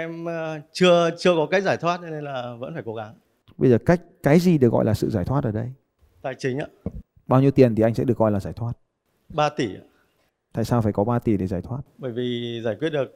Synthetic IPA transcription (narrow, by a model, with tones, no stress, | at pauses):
ʔɛ˧mt͡ɕɨ˧ət͡ɕɨ˧əkɔ˨˦kaː˦˥k̚zaː˧˩jt̪ʰwaː˦˥t̚ne˧nlaː˨˩və̰˧˥nfaː˧˩jko˨˦ɣa˨˦ŋ | ɓə˧jzəː˨˩ka˦˥jk̟̚kaː˨˦jzi˨˩ɗɨ˨˩k̚ɣɔ̰˧˨jlaː˨˩sɨ̰˧˨zaː˧˩jt̪ʰwa˦˥t̚ʔəː˧˩ɗə˧j | t̪aː˨˩jt͡ɕï˨˦ŋ̟a̰ː˧ | ɓaː˧wɲi˧əwt̪i˨˩ənt̪ʰi˨˩ʔa˧jŋsɛ̰˧˥ɗɨ˨˩əkːɔ˧jlaː˨˩zaː˧˩jt̪ʰwaː˦˥t̚ | ɓaː˧t̪i˧˩a̰ː˧ | t̪a̰ː˧˨jsaː˧faː˧˩jkɔ˨˦ɓaː˧t̪i˧˩ɗe˧˩zaː˧˩jt̪ʰwaː˦˥t̚ɓəː˧˩jvi˨˩zaː˧˩kwət̚ɗɨ˨˩ə˩k̚